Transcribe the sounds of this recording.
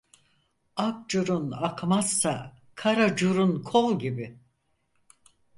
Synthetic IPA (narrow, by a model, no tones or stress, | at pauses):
ak̚d͡ʒuɾunakmasːa | kʰaɾad͡ʒuɾunkʰolˠɟibɪ